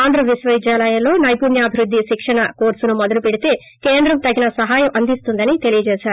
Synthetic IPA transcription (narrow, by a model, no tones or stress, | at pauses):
aːnd̪ɾɐʋiʃʋɐʋid͡ʒ̪jaːlɐjɐlo̞ːnɐjpunjɐɐbʱiɾud̪ʱːiʃikʂɐɳɐkoːɾsunumɔd̪ɐlupeɽit̪e̞ː | keːnd̪ɾɐmt̪ɐɡinɐsɐɦaːjɐmʔɐnd̪ist̪und̪ɐnit̪e̞lijɐd͡ʒɛːʃaːɾu